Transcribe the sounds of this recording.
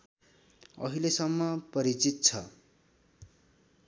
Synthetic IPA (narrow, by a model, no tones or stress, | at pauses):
ʌ̰ɦilesʌmːʌpʌɾit͡sit̪̚t͡sʰʌ